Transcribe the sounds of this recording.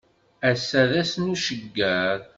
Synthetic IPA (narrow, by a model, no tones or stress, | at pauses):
æsːæðæsnuʃəɡːæð